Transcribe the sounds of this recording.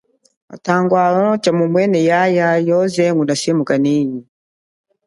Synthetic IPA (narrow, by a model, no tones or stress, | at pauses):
ma̰taŋɡwalɔt͡ʃamumwɛnɛjajajɔzɛŋunaʃɛmukanini